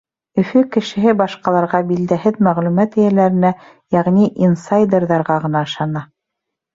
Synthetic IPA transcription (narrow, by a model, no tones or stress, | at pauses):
ɵ̆fɵkɘ̆ʃɘ̆ɦɘbɑʃqɑlˠɑɾʁɑbild̪æɦɘðmæʁlʉmæt̪ɘ̆jælæɾɘ̆næ | jæʁniʔinsajd̪ʲerðɑɾʁɑʁɤ̆nɑɤ̆ʃɑnɑ